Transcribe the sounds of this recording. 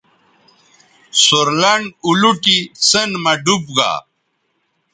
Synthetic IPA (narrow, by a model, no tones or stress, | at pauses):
soɾlɐɳuluʈisənmɐɖup̚ɡa̰